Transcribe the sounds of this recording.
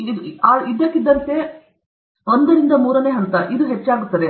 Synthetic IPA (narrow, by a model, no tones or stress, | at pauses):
iaːid̪ɐkːid̪ːɐnt̪e | ond̪ɐɾind̪ɐmuːɾɐneːɦɐnt̪ɐʔid̪uɦet͡ʃːaːɡut̪ːɐd̪e